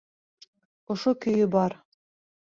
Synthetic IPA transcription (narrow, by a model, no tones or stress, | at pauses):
ŏʃokɵ̆jɵbɑɾ